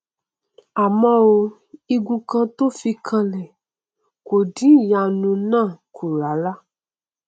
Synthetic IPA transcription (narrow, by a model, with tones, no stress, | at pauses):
a˨mɔ̃˦o˧ | i˧ɡũ˧kã˧t̪o˦fi˧kʰã˧lɛ˨ | ko˨dĩ˦ja˧nũ˧nãː˦˨kʰu˨ɾa˨˦la˦